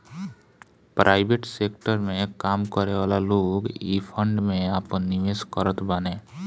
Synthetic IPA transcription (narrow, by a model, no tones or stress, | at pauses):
pɾʔaːɪbeːʈseːkʈəɾmẽkaːmkəɾeʋaːlaloːɡipʰə̃ɳɖmẽaːpənːiʋeːskəɾət̪banẽː